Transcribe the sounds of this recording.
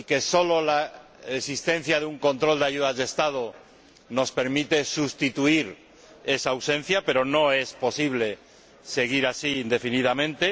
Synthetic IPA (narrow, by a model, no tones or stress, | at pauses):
ike̞so̞lo̞la | esist̪ẽ̞n̟θjaðeuŋko̞nt̪ɾo̞ld̪eaʝuðazðest̪að̞o | no̞spe̞ɾmit̪e̞sust̪it̪uiɾ | e̞saːwsẽ̞n̟θjape̞ɾo̞no̞e̞spo̞siβ̞le̞ | se̞ɣ̞iɾasiːnd̪e̞finiðamẽnt̪e